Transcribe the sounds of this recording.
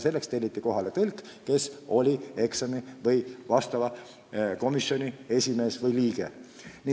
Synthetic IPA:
se̞lːe̞kst̪e̞lʲːit̪ːˑiko̞ɦɑle̞t̪ɤlʲk | ke̞so̞lʲie̞ksɑmivɤjvɑst̪ɑvɑ | ko̞misjo̞nʲie̞sʲime̞ːsvɤjliːɡ̥e | ni

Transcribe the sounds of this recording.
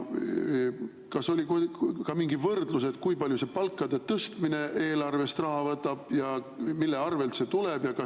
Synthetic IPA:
kɑso̞lʲikkɑmiŋɡivɤrd̪̥lus̬e̞t̪̚ˑkujpɑljuse̞pɑlkːˑɑd̪̥e̞t̪ɤst̪mine̞ʔe̞ːlɑrve̞st̪rɑɦɑvɤt̪ːˑɑb̥jɑ | milːe̞ɑrve̞lt̪se̞t̪uleb̥jɑkɑ

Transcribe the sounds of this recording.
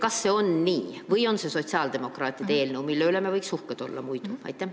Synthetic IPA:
kɑsːe̞o̞nniːvɯjo̞nseso̞t̪ʲsɑld̪̥e̞mo̞krɑːt̪ʲːˑid̪eːlnewmilːeylemevɤjksuhket̪o̞̰lːɑ̰mujd̪̥u̥ɑ̰jt̪ːˑe

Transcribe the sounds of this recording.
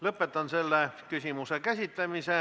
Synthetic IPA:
lɤpːˑet̪ːˑɑnselːekysʲimusekæsʲit̪læmise

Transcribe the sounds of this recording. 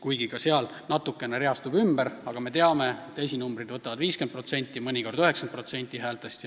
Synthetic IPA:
kujɡikɑseɑl | nɑt̪ːukːˑe̞neɾeɑst̪ubymbeɾɑɡ̥ɑme̞t̪e̞ɑme̞et̪ːejs̬ʲinumbrid̪vɤt̪ːˑɑvɑd̪viːskenpro̞t̪se̞nʲt̪ˑːimɤnʲiko̞rd̪̥yɦe̞ksɑnd̪̚pro̞t̪se̞nʲt̪ʲːˑiɦæːlt̪ˑest̪jɑ

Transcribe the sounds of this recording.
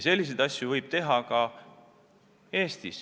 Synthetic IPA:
se̞lʲːis̬ed̪ɑsʲjuvɤjb̥̚t̪e̞ɦɑkɑ | e̞ːst̪is

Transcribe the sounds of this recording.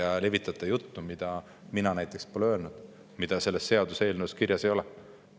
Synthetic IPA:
ɑle̞vit̪ːˑɑt̪ːˑɑjut̪ːumid̪̥ɑ | minɑnæjt̪ːˑe̞kspolølnud̪̥ | mid̪̥ɑse̞lːesːe̞ɑd̪use̞ːlnuskirjɑse̞jo̞lɛ

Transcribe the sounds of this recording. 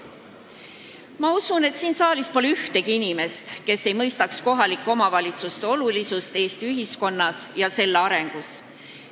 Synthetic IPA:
mɑusune̞t̪siːnsɑːlispo̞leyht̪e̞ɡ̥iinime̞st̪ke̞sːe̞jmɤjst̪ɑksko̞ɦɑlikˑːo̞mɑvɑlʲit̪sust̪e̞o̞lulisust̪e̞ːst̪iyɦisko̞nːɑsjɑse̞lːeɑɾe̞ŋɡ̥us

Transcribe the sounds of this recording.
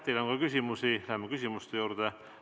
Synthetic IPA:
t̪ːeloŋɡɑkysʲimusilæmːɑkysʲimust̪ejuːɾd̪e

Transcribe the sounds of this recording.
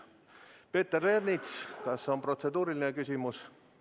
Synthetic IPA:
pe̞ːt̪ːerernit̪skɑso̞npro̞t̪se̞d̪̥uːɾilinekysʲimus

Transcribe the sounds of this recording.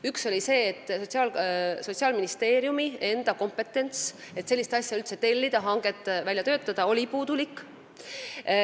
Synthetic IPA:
ykso̞lʲise̞ːt̪ːˑsot̪siɑːlso̞t̪siɑːlminist̪e̞ːɾjumie̞nd̪̥ɑko̞mpe̞t̪ːˑe̞nt̪set̪se̞lːist̪ɑsʲjɑylt̪se̞t̪e̞lʲːid̪̥ɑɦɑŋɡ̥e̞t̪ːˑvæljɑt̪ø̞ːt̪ːˑɑd̪̥ɑo̞lʲipuːd̪̥ulikːˑ

